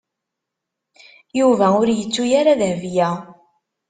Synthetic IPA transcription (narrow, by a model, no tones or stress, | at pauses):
juvæʊɾjət͡sːujaɾaðhvjæ